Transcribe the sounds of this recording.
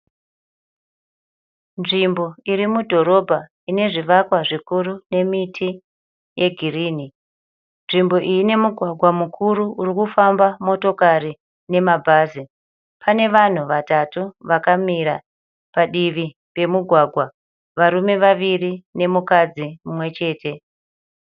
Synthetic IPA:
nʐimbo̞iɾimudʱo̞ɾo̞bʱa | ine̞ʐiʋakwaʐikuɾune̞mitʰi | je̞ɡʱiriːni | nʐimbo̞ʔijine̞muɡʱwaɡʱwamukʰuɾuurikufambamo̞to̞kaɾi | ne̞mabʱaːzi | pʰane̞ʋan̤uʋatatuʋakamiɾa | paɗiʋi | pe̞muɡʱwaɡʱwa | ʋaɾume̞ʋaʋirine̞mukad͡zimumwe̞t͡ʃe̞ːtʰe̞

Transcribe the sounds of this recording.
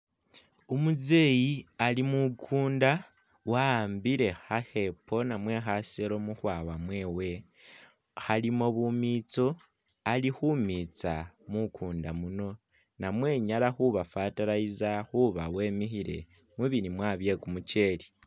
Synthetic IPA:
omuze̞ːjialimukʰuːnda | waːmbiɾe̞xahe̞pʰo̞namwe̞xaseɾo̞muxwaːwamwe̞ːwe̞ | halimo̞βumiːt͡so | alixumit͡samukʰuːndamuno̞ | namwe̞ːɲalaxuβafatalaizaxuβawe̞ːmixiɾe̞̰ | muβinimwaːβje̞kumuce̞li

